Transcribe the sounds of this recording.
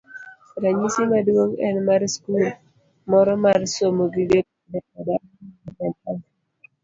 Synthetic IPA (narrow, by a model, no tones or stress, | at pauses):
sɪɾaɲisimadwoŋɛnmaɾskul | mɔɾɔmaɾsomoɡidek̚ | dɛkada | abɛntan